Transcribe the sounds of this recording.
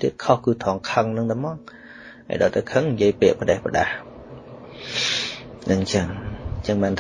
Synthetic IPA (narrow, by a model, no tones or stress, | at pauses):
t̪iət̪̚kʰohkɨːt̪ʰɑːŋkʰəŋnɨŋt̪aːmɑːŋ | ʔa̰ːjɗɑ̰ːlt̪əwkʰəŋnjiəjpiəʔpəɗehpəɗah | nɨŋt͡ɕəŋt͡ɕəŋɓaːnt̪ʰ